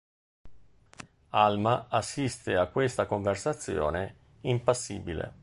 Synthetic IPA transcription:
almaasːist̪eakːwest̪akoɱversat̪sːjɔ̰ːne | impasːḭːbilḛ

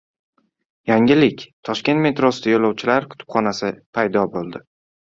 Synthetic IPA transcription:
jaŋɪlɪkʲt̪ʰɒʃkʲe̞nt̪me̞t̪ɾosɪd̪ajolɒwt͡ʃʰɪlaɾkʰʊ̥t̪ʰʊ̥pχɒnasɪpʰajd̪ɒbolˠd̪ɪ

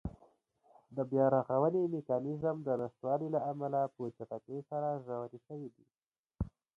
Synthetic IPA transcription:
d̪əbjɑɾɑɣawənemekɑnɪzəmd̪ənast̪wɑlilaamalapot͡ʃapakesaɾazawat̪iʃəwid̪i

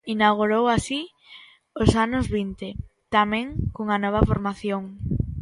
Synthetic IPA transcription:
inawɣuɾowasi | osanʊzβint̪ɪ | t̪amɛ̃ŋkoŋanɔβ̞ɐfoɾmaθjoŋ

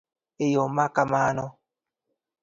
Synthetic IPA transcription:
ejɔmakamaːnɔ

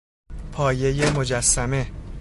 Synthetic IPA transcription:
pʰɒːje̞je̞mo̞d͡ʒæsːæme̞

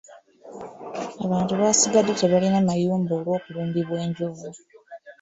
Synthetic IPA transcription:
aβaːntuβasiɡadːeteβalinamajuːmbo̞ːlwo̞ːkuluːmbiβwe̞ːɲɟovu

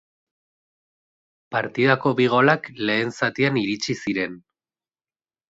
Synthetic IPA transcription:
paɾt̪ið̞ako̞βiɣ̞o̞lakle̞ːnsat̪ianiɾit͡ʃisiɾe̞n

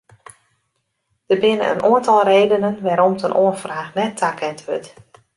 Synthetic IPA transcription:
d̥ərbɪnə̰ə̰nʔoəntɔlˠreːdənənʋaːɾɔmtʰənʔoənfraːxnɛtʰːakʰɛntʋøt

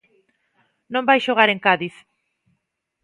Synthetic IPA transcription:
nõmbajʃoɣ̞aɾeŋkaðiθ

